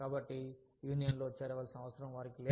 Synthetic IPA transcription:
kaːbɐʈːijuːnijɐnloːt͡ʃeːɾɐʋɐlsɐnɐʋɐsɐɾɐ̃mʋaːɾikileː

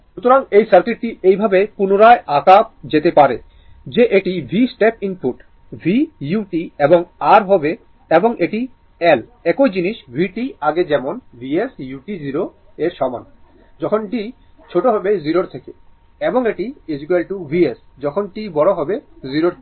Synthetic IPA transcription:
ʃut̪oɾaŋejsaɾkiʈ̚ʈiejbʱabepunoɾaeʔakap̚d͡ʑet̪epaɾe | d͡ʑeʔeʈibʱisʈepinpuʈ | bʱijuʈieboŋaɾɦɔbe | eboŋʔeʈi | elɛkojd͡ʑiniʃbʱiʈiaɡed͡ʑɛmonbʱiesjuʈiziɾo | eɾʃɔba̰n | d͡ʑɔkʰonʈi | t͡ɕʰoʈoɦɔbeziɾoɾt̪ʰeke | eboŋeʈied͡ʑikelʈubʱies | d͡ʑɔkʰonʈibɔɽ̃oɦɔbeziɾoɾ

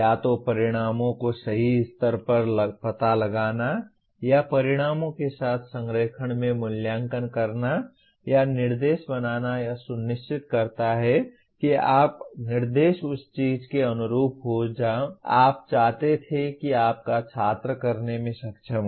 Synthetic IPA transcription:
jat̪opɐɾɪɽ̃aːmõkosɐɦiɪst̪əɾpəɾlpɐt̪aləɡaːna | japɐɾɪɽ̃aːmõkesaːt̪ʰsə̃ŋɡɾeːkʰəɽ̃mẽmʊljãːŋkənkəɾna | janɪɾd̪eːʃbɐnaːnajasʊnːɪʃt͡ʃɪt̪̚kɐɾt̪aɦɛ | kiaːpnɪɾd̪eːʃʊst͡ʃiːd͡ʒkeɐnʊɾuːpɦod͡ʒaːoa̰ːp̚t͡ʃaːɦt̪et̪ʰekiaːp̚kat͡ʃʰaːt̪ɾəkəɾnemẽʃɐkt͡ʃʰəm

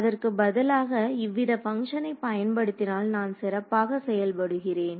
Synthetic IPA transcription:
ɐðɐrkɯbɐðɐlaːɣɐɪʋːɪðɐpɐŋʂɐnɐɪpːɐjɐnpɐɽɯt̪ːɪnaːlnaːnsɪɾɐpːaːɣɐsɛjɐlpɐɽɯɣɪreːn

